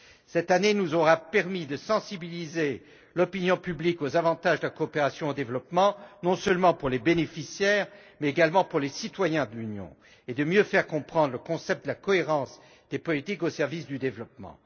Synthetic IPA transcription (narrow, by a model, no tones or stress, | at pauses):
sɛt̪anenuzɔʁapɛʁmid̪əsɑ̃sibilize | lɔpinjɔ̃pyblikozavɑ̃t̪aʒd̪əlakɔːpeʁasjɔ̃od̪evlɔpmɑ̃nɔ̃sœlmɑ̃puʁlebenefisjɛːʁ | mɛeɡalmɑ̃puʁlesit̪wajɛ̃d̪əlynjɔ̰̃ | ed̪əmjøfɛʁkɔ̃pχɑ̃d̪ʁləkɔ̃sɛpt̪̚d̪əlakɔeʁɑ̃s | d̪̥epɔlit̪ikosɛʁvisd̪yd̪evlɔp̚mɑ̰̃